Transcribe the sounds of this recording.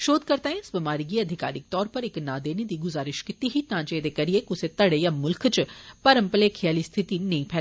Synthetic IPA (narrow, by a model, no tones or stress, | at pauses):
ʃoːd̪̚kəɾt̪aːẽɪsbɪmaːɾiɡiːəd̪ʱɪka̰ːɾɪk̚t̪ɔːɾpəɾɪknãːd̪eːned̪iːɡʊzaːɾɪʃkɪt̪iɦiːt̪ãːd͡ʒeːd̪eːkəɾijekʊset̪əɽeːjaːmʊlkt͡ʃpəɾəmpəleːkʰijaːliːst̪ʰɪt̪iːnɐ̃ĩːpʰɛːlː